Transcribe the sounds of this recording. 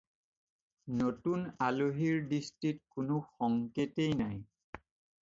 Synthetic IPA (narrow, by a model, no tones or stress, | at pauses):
notunaloɦiɹdistɹit̚kʊnoxɔŋketejnaj